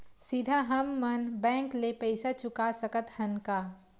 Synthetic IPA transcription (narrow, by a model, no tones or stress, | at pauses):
sɪd̪ʱaɦɐmːɐnbɛ̃ːŋklepɛɪsat͡ʃʊkasəkət̪hɐ̃nkaː